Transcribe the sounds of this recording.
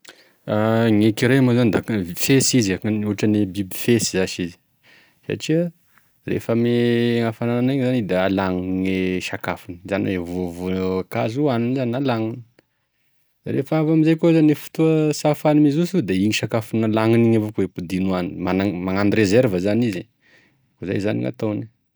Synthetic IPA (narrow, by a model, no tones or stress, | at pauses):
aŋekiɾemazand̪akfesizaknuɦʈ͡ʂənebibi̥fesizaʃizi̥ | sa̰ʈ͡ʂiə | rḛfəmeŋafanananaɲzanid̪aalaŋiŋeʃakafunizanwevuuvukazuaninzanialaŋini̥ | d̪̥ɾefavamizajkozanefu̥t̪uəsafanimizusud̪aiɲiʃakafinalaŋiniɲavokepud̪inuaninmanamaŋaniɾezɛɾvəzanizi | koza̰jzanḭŋa̰t̪awni